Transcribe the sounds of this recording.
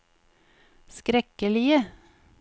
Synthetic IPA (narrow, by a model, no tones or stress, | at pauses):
skɾɛkəlɪə